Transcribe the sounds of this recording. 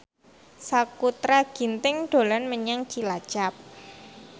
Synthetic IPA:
sakut̪ɾaɡ̥int̪ɪŋɖ̥o̤lanməɲaŋt͡ʃilḁʒ̥ap̚

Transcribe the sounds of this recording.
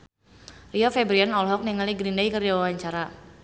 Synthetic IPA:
riɔfɛbɾianɔlɦɔk̚niŋaliɡɾindaikərawawaɲt͡ʃaɾa

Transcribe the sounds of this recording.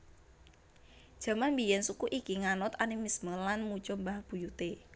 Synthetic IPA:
d̥ʒ̥ä̤manbijɛnsukuʔikiŋanʊt̪animisməlanmut͡ʃʊmbaɦb̥ṳjut̪e

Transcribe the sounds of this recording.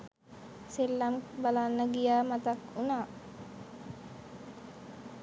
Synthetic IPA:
selːambalanːəɡijaːmat̪akunaː

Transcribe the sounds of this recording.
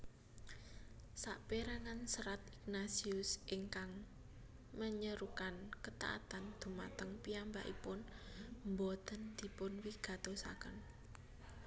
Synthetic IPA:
saʔpeɾaŋansəɾat̪̚iknasiʊsʔɪŋkaŋ | məɲəɾukankət̪a̰ʔa̰t̪and̪̥ṳma̰t̪əŋpiambaʔḭpʊnmbod̪̥ənd̪̥i̤pʊnwiɡ̥ä̤t̪osa̰kən

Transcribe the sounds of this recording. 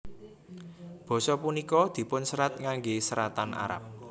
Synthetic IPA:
b̥ɔ̤sɔpunikɔd̪̥i̤pʊnsəɾat̪̚ŋaŋɡesəɾat̪ana̰ɾa̰p̚

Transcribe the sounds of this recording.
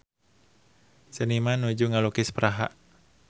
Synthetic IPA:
sənimanud͡ʒuŋalukɪspəɾaɦa̰ʔ

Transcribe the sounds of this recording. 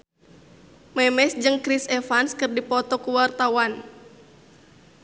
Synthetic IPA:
mɛmɛsd͡ʒɨŋkɾisɛfanskɨrdipɔt̪ɔkuwart̪awan

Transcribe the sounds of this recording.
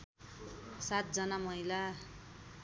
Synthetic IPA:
sat̪̚d͡zʌnamʌila

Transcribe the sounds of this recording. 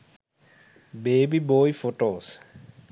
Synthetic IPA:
beːbiboːjfoʈoːs

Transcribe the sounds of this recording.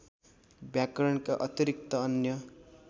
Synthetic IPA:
bjakʌɾʌnkaʔʌt̪iɾik̚t̪ʌʌnjʌ

